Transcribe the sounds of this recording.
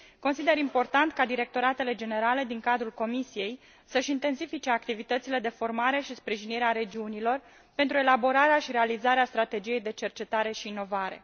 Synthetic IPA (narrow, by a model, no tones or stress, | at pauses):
ko̞nsid̪e̞ɾimpo̞rt̪ant̪kad̪iɾe̞k̚t̪o̞ɾat̪e̞le̞d͡ʒe̞ne̞ɾale̞d̪iŋkad̪ɾulko̞misije̞j | səʃint̪e̞nsifit͡ʃe̞akt̪ivit̪ət̪sile̞d̪e̞fo̞rmaɾe̞ʃispɾiʒiniɾeaɾe̞d͡ʒiunilo̞r | pe̞nt̪ɾue̞labo̞ɾaɾeaʃiɾe̞alizaɾeast̪ɾat̪e̞d͡ʒije̞jd̪e̞t͡ʃe̞rt͡ʃe̞t̪aɾe̞ʃiːno̞vaɾe̞̰